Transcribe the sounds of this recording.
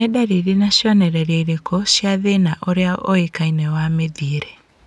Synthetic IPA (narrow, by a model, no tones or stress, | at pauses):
edaɾeɾenaɕjɔnɛɾɛɾeiɾekɔɕjaðenaʔoɾeaʔoekainɛwameðiɾɛ